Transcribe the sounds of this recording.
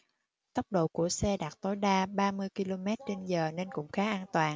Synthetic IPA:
t̪ə˦˥k͡p̚ɗo̰˧˨ku˧˩əsɛ˧ɗaː˨˩t̚t̪o˨˦jɗaː˧ɓaː˧mɨ˧əjki˧lo˧mɛ˦˥t̚t͡ɕe˧nzəː˨˩ne˧nkʊ̰˧˥ŋ͡mxaː˨˦ʔaː˧nt̪waː˨˩ŋ

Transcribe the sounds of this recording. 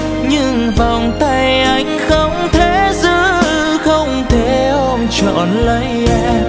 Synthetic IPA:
ɲɨ˧ŋva˨˩wŋ͡mt̪a˧jʔa˧˩jŋ̟xə˧wŋ͡mt̪ʰe˨˦zɨ˧˥ | xə˧wŋ͡mt̪ʰe˧˩˦ʔɔ˧mt͡ɕɔ̰ː˧˨nlə˨˦jʔɛ˧

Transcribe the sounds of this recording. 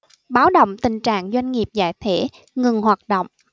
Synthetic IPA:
ɓaː˨˦wɗo̰˧˨wŋ͡mt̪ï˨˩ŋ̟t͡ɕa̰ː˧˨ŋzwa˧jŋ̟ŋi˨˩əp̚za̰ː˧˨jt̪ʰwe˧˥ | ŋɨ˨˩ŋhwaː˨˩t̚ɗo̰˧˨wŋ͡m

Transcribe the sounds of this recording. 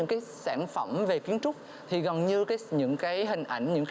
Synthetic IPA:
ɨ̰˧˥ŋkaː˨˦jsaː˧˩nfə˧˩mve˨˩ki˨˦ənt͡ɕʊ˦˥k͡p̚ | t̪ʰi˨˩ɣɔ˨˩nɲɨ˧kaː˨˦jɲɨ̰˧˥ŋkaː˨˦jɦï˨˩ŋ̟ʔa˧˩jŋ̟ɲɨ̰˧˥ŋkː

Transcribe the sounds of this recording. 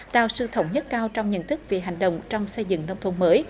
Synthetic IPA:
t̪aː˧˩wsɨ˧t̪ʰə˨˦wŋ͡mɲə˦˥t̚kaː˧wt͡ɕɔ˧wŋ͡mɲə̰˧˨nt̪ʰɨ˦˥k̚ve˨˩ɦa˨˩jŋ̟ɗə̰˧˨wŋ͡mt͡ɕɔ˧wŋ͡msə˧jzɨ̰˧˨ŋnə˧wŋ͡mt̪ʰə˧ŋ͡mməː˨˦j

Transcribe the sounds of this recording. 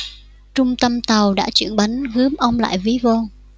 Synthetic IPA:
t͡ɕʊ˧ŋ͡mt̪ə˧mt̪a˨˩wɗa̰ː˧˥t͡ɕwḭ˧˩ənɓa˨˦nɣɨ˨˦əmʔə˧wŋ͡mla̰ː˧˨jvi˨˦vo˧ŋ

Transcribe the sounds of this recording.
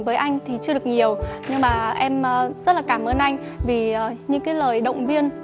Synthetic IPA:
vəː˨˦jʔa˧jŋ̟t̪ʰi˨˩t͡ɕɨ˧əɗɨ˨˩ək̚ɲi˨˩əwɲɨ˧ŋmaː˨˩ʔɛ˧mː˨˩zə˦˥t̚laː˨˩kaː˧˩mʔəː˧nʔa˧jŋ̟ | viː˨˩˨ɲɨ̰˧˥ŋkaː˨˦jləː˨˩jɗə̰˧˨wŋ͡mvi˧ən

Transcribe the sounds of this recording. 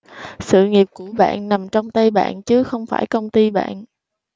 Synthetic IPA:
sɨ̰˧˨ŋi˨˩əp̚ku˧˩əɓa̰ː˧˨nːa˨˩mt͡ɕɔ˧wŋ͡mt̪a˧jɓa̰ː˧˨nt͡ɕɨ˨˦xə˧wŋ͡mfaː˧˩jkə˧wŋ͡mt̪i˧ɓa̰ː˧˨n

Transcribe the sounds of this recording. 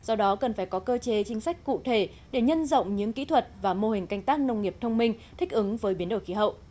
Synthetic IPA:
zɔ˧ɗɔ˨˦kə˨˩nfaː˧˩jkɔ˨˦kəː˧t͡ɕe˨˦t͡ɕï˨˦ŋ̟sa˦˥jk̟̚kṵ˧˨t̪ʰe˧˩ | ɗe˧˩ɲə˧nzə̰˧˨wŋ͡mɲɨ̰˧˥ŋkḭ˧˥t̪ʰwə˨˩t̚vaː˨˩mo˧hï˨˩ŋ̟ka˧jŋ̟t̪aː˦˥k̚nə˧wŋ͡mŋi˨˩əp̚t̪ʰə˧wŋ͡mmï˧ŋ̟t̪ʰï˦˥k̟̚ʔɨ˨˦ŋvəː˨˦jɓi˨˦ənɗo˧˩jxi˨˦ɦə̰˧˨wʔ

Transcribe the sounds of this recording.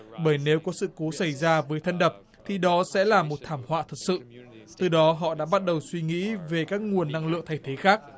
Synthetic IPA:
ɓəː˧˩jne˨˦wkɔ˨˦sɨ̰˧˨ko˨˦sa˧˩jzaː˧vəː˨˦jt̪ʰə˧nɗə˨˩p̚ | t̪ʰi˨˩ɗɔ˨˦sɛ̰˧˥laː˨˩mo˨˩t̚t̪ʰaː˧˩mhwa̰ː˧˨t̪ʰə˨˩t̚sɨ̰˧˨ | t̪ɨ˨˩ɗɔ˨˦ɦɔ̰˧˨ɗa̰ː˧˥ɓa˦˥t̚ɗə˨˩wswi˧ŋḭ˧˥ve˨˩kaː˦˥k̚ŋu˨˩ənːa˧ŋlɨ̰˧˨əŋt̪ʰa˧˩jt̪ʰe˨˦xaː˦˥k̚

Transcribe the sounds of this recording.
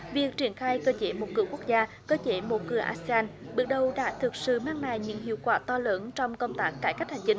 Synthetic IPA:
vi˨˩ək̚t͡ɕi˧˩ənxaː˧jkəː˧t͡ɕe˧˩mo˨˩t̚kɨ̰˧˩əku˦˥k̚zaː˧ | kəː˧t͡ɕe˧˦mo˨˩t̚kɨ˨˩əʔaː˧se˧aː˧nɓɨ˨˩ɗə˨˩wɗa̰ː˧˥t̪ʰɨ˨˩k̚sɨ̰˧˨maː˧ŋnaː˧˨˩jɲɨ̰˧˥ŋhḭ˧˨əwkwaː˧˩t̪ɔ˧ləː˨˦nt͡ɕɔ˧wŋ͡mkə˧wŋ͡mt̪aː˦˥k̚kːaː˧˩jka˦˥jk̚ha˨˩ŋ̟t͡ɕi˧ŋ

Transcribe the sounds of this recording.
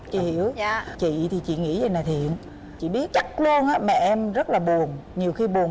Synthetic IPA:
t͡ɕḭ˧˨hi˧˩əwt͡ɕḭ˧˨t̪ʰi˨˩t͡ɕḭ˧˨ŋḭ˧˥zə˨˩naː˨˩t̪ʰḭ˧˨ən | t͡ɕḭ˧˨ɓi˦˥ət̚t͡ɕa˦˥t̚lu˧ənʔaː˨˦˥mɛ̰˧˩ʔɛ˧mzə˦˥t̚laː˨˩ɓu˨˩əŋɲi˨˩əwxi˧ɓu˨˩əŋ

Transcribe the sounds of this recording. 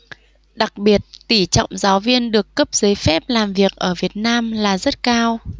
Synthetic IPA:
ɗa˨˩k̚ɓi˨˩ət̚t̪i˧˩t͡ɕwŋ͡mzaː˨˦wvi˧ənɗɨ˨˩əkːə˦˥p̚z̥ə˨˦jfɛ˦˥p̚laː˨˩mvi˨˩ək̚ʔəː˧˩vi˨˩ət̚naː˧mlaː˨˩zə˦˥t̚kaː˧w

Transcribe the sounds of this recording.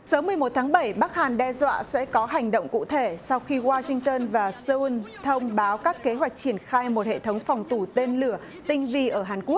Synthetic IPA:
səː˨˦mɨ˨˩əjmo˨˩t̚t̪ʰaː˨˦ŋɓə˧˩jɓa˦˥k̚haː˨˩nɗɛ˧zwa̰ː˧˨sɛ̰˧˥kɔ˨˦ɦa˨˩jŋ̟ɗo̰˧˨wŋ͡mkṵ˧˨t̪ʰe˧˩sa˧wxi˧ɣwaː˧sï˧ŋt̪əː˧nvaː˨˩sɨ˧nt̪ʰə˧wŋ͡mɓaː˨˦wkaː˦˥kːe˨˦ɦwa˨˩jk̟̚t͡ɕi˧˩ənxaː˧jmo˨˩t̚hḛ˧˨t̪ʰə˨˦wŋ͡mfɔ˨˩wŋ͡mt̪u˧˩t̪e˧nlɨ˧˩ə | t̪ï˧ŋ̟vi˧ʔəː˧˩ɦaː˨˩nku˦˥ək̚

